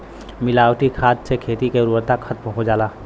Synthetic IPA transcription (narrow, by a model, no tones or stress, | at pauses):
mɪlaːwʈikʰaːd̪sekʰeːt̪ikeɾuət̪akkʰət̪mɦod͡ʒaːlaː